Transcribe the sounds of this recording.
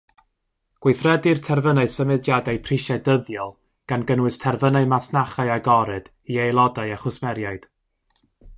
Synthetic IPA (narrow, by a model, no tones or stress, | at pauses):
ɡ̥wejθrɛdirtʰɛrvənaɨsəmɨdjadajpʰriʃɛdəðjɔlˠ | ɡ̥anɡənwɨstʰɛrvənamasnaχaɨaɡɔɾɨd̥ | iejlˠɔdaɨaχʊsmɛɾjaɨd̥